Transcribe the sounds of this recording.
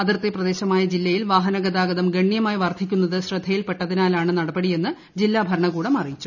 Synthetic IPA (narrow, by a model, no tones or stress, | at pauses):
ɐðirt̪eprɐðe̞ːɕɐmaːjɐd͡ʑilːɐjilʋaːɦɐnɐɡɐd̪aːɡɐðɐmɡɐɳːjɐmaːjʋɐrt̪ʰikʲːunːɐðɨɕrɨd̪ʱːɐjilpe̞ʈːɐðinaːlaːɳɨnɐɽɐbɐɽije̞nːɨ | d͡ʑilːaːbʱɐɾɐɳɐɣuːɽɐmɐrijit͡ɕːu